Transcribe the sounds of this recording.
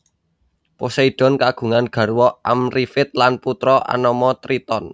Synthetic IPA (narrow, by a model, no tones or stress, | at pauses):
poseiɖ̥ɔ̤nkaɡ̥ṳŋanɡ̥a̤ɾuwɔʔamrifɪt̪̚lanput̪ɾɔʔa̰nɔmɔt̪ɾit̪ɔn